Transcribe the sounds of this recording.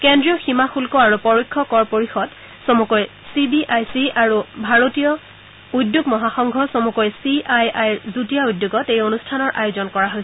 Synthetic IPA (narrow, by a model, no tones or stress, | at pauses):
kendɹijɔximaxulkɔaɹupɔɹikʰːɔkɔɹpoɹixɔd | sɔmukɔj | sibiʔajsiaɹubʱaɹotijɔ | udjuɡmɔɦaxɔŋɡʱɔsomukɔjsiajajɹzutijaudjuɡɔtejonustʰanɔɹʔa̰jozɔnkɔɹaɦojsɛ